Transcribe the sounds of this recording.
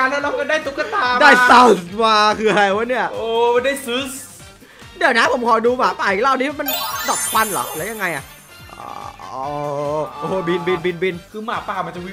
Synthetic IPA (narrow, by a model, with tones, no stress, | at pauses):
aː˧nlɛ˥˨la˦˥kɔ˧˩daː˥˩jt̪u˦˥k̚ːɔː˧˥˩t̪aː˧daː˥˩jsa˧wsmaː˧kʰɯː˧ʔa˧ɾa˧jwaː˦˥˦ni˥˩ɐʔoː˧˩a˧ndaː˥˩jsɯ˦˥s | di˨˩əna˦˥pʰo˨˩˦mkʰɔː˨˩jduː˧maː˨˦paː˨˩ʔi˨˩˦laː˥˩wniː˦˥˩ma˧ndɔ˨˩t̚kʰwa˧nlɔ̰ː˨˦lɛː˨˦˥wja˧ŋːa˧jʔa̰˨˩ʔ | ʔɔ̰ː˧˦˩ɔː˨˦ʔoː˧˩bi˧nbi˧nbi˧nbi˧nkʰɯː˧maː˨˦paː˨˩ma˧nt͡ɕa˨˩wi˦˥